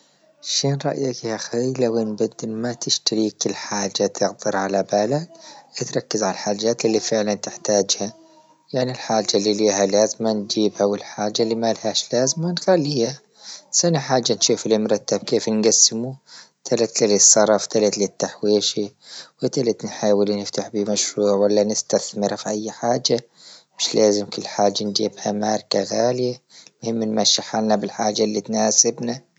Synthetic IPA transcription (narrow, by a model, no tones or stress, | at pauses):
ʃiːnɾˤɑ̰ʔjakhaxajlawenbad̪ːɪmat̪ɪʃt̪aɾiːkɪlħaːd͡ʒːat̪ʰɪɣd̪ɨɾʕalabalad̪ʔat̪ɾˤɑkːɪzʕalalħaːd͡ʒːaːt̪ɪlːifɪʕlant̪ɪħt̪aːd͡ʒha | jaʕnilħaːd͡ʒːalːiliːɦalaːzmand͡ʒiːbhawɪlħaːd͡ʒːalːimalhaːʃlaːzmanxalːiːha | sanaħaːd͡ʒːanʃuːflɪmʊɾˤɑt̪ːabkeːfnɡasːɪmu | t̪ʰalat̪lilisˤːɑɾˤɑft̪alat̪lit̪ːaħweːʃiwɪt̪alat̪nħaːwɪlnɪft̪aħbimaʃɾuːʕwalːanɪst̪aθmɪɾafiʔajːħaːd͡ʒa | mɪʃlaːzɪmkʊlːħaːd͡ʒːand͡ʒḭːbhamaːɾˤkaɣaːljamʊhɪmːɪnmaʃːɪħalnabɪlħaːd͡ʒːalːit̪naːsɪbna